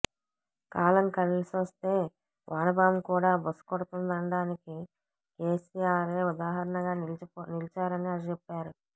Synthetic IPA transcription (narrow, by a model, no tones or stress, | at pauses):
kaːlɐmkɐɾilisʋɐst̪e̞ː | ʋʔaːnɐbaːmkuːɽaːbɐsːu̥kɔɽɐt̪und̪ɐɳɖaːniki | keːsijaːɾeːud̪aːɦɐɾɐɳɐɡaːnilt͡ʃaːɾɐniɐt͡ʃɛpːaːɾu